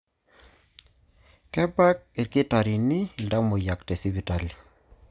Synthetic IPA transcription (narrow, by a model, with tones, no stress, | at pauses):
kɛ˦ba˦k̚e˨ɾkɪ˦ta˨ɾi˨nɪ˦˨lda˦mo˨ja˨ktɛ˨si˦bi˨ta˨li˨